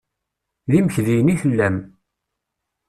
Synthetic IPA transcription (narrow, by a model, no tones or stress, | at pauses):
ðiməçðijəniθəlːæm